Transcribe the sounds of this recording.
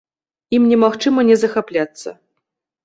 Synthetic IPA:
imnʲɛmaxt͡ʂɨmɐnʲɛzɐxaplʲat̪sːɐ̰

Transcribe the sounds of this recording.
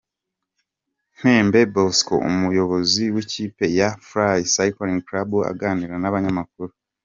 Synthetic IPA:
m̥he̞ːmbe̞bosko̰ṵmujo̞βo̞ziwiciːpe̞jafɾajsajkoɾiŋkɾabua̰ɡaniɾanaβaɲamak̚uɾu

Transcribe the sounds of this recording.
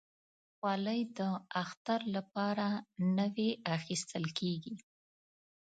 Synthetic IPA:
xwɑləjd̪əaxt̪aɾlapɑɾanəweaxist̪əlkʰeɡi

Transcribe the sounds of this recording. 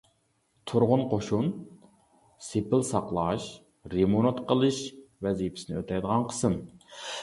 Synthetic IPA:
t̪ʰuɾʁʊnqʰoʃun | sepɪlsɑqlˠɑʃ | ɾemonot̪qʰəlˠɨʃvɛzipʰɪ̥sɪnɪøt̪ʰɛjd̪əʁɑnqʰə̥sɨn

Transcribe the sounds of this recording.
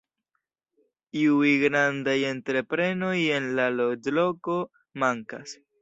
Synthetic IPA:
iujɡɾandaje̞ntɾe̞pɾe̞no̞je̞nlalodlo̞ko̞ | maŋkas

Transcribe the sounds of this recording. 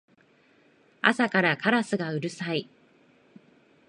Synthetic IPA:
a̰sakaɾakʰaɾasɨɡaɯ̟ɾɯ̟sai

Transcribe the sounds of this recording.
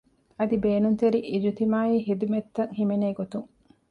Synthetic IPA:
ɐd̪ibeːnunt̪eɾiʔid͡ʒut̪imaːiːɦid̪umet̪ːɐŋhimeneːɡot̪uŋ

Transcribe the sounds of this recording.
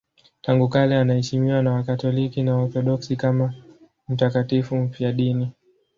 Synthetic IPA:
taŋɡukalɛanahɛʃimiwanawakatɔlikinawɔɾθɔɗɔksikama | m̩takatifum̩fiaɗini

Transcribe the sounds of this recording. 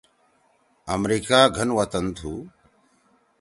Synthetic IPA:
ɐmɾiːkaːɡʱɐnʋɐt̪ɐnt̪ʰuː

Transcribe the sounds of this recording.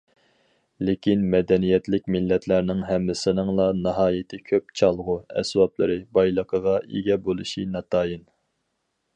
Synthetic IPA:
lekʲʰinmɛd̪ɛnijɛt̪lɪk̚ʲmɪlːɛt̪ʰlæɾnɪŋɦɛmːɪsɪnɪŋlˠɑnɨɦɑːjɪt̪ʰɪkʲʰøp̚t͡ʃʰɑlˠʁʊɛ̰swɑplˠəɾɨbɑjlˠəqʰəʁɑʔḭɡʲɛbolˠɨʃinɑt̪ʰɑːjin

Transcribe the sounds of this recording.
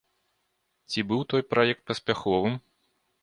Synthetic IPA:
t͡sʲibɨwt̪ɔjpɾajɛk̚t̪̚pɐsʲpʲaxɔvɨm

